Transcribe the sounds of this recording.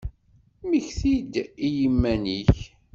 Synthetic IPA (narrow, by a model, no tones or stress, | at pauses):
miçθid̪ijəmːæniçç